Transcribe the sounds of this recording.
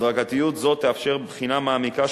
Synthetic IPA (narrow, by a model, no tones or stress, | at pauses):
d̪ʁaɡat̪ijut̪zo̞t̪ːeafʃe̞ʁbχinamaːmika